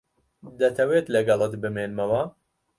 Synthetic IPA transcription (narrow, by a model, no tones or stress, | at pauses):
d̪ɐt̪ʰɐweːt̪lɐɡɐlˠɨt̪bɨmeːnmɐwɐ